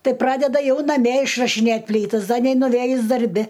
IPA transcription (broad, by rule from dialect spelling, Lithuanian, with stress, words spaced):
ˈtɐɪ ˈprɑːdʲɛdɐ ˈjɛʊ nɐˈmʲiɛ ɪʃrɐʃʲɪˈnʲeːtʲ ˈpʲlʲiːtɐs ˈdɐ nʲɛɪnʊˈʋʲeːjʊs dɐrʲˈbʲɪ